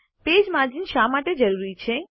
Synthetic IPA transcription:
ped͡ʒmad͡ʒinʃamaʈed͡ʒəɾuɾit͡ʃʰe

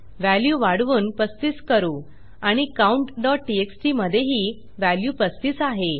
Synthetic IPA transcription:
ʋæljuːʋaɽʋuːnpəst̪iskəɾuː | aɽ̃ikauɳʈɖɔʈ̚ʈieksʈiːməd̪ʱːjeɦiː | ʋæljuːpəst̪isaɦe

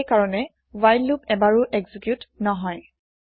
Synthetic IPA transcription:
kaɹɔnɛ | wajlːup̚ɛbaɹʊʔɛɡzikjutnɔɦɔj

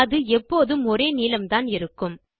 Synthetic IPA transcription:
ɐðɯɛpːoːðɯmɔɾeːniːlɐmt̪aːnɪɾɯkːɯm

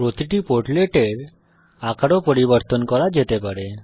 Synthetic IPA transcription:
pɾot̪iʈipoɾʈleʈeɾ | akʰaɽɔpɔɽibəɾt̪ɔnkɔɾad͡ʑet̪epəɽe

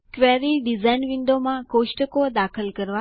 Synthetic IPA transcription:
kʋɛɾiɖizainʋiɳɖomãkoʃʈəkod̪akʰəlkəɾʋa

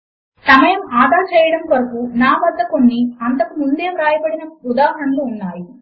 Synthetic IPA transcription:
sɐmɐjɐmaːd̪ʱaːɾt͡ʃɛːjɐɽɐmʋɐɾɐkunaːʋɐd̪ʱːɐkonːiɐnt̪ɐkumund̪e̞ːmɾaːjɐbɐɽinɐud̪aːɦɐɾɐnloːnːaːji

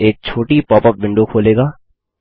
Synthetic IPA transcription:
eːk̚t͡ʃʰoːʈipɔːpəp̚ʋɪ̃ɳɖokʰoːleːɡaː

